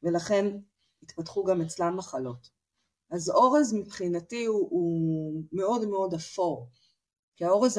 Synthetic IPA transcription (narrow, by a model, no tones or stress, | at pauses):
velaχe̞n | itpatχuɡame̞t͡slamːaχalo̞t | azoʁezmipχinatiuume̞o̞dmeo̞dafo̞ʁ | kiao̞ʁez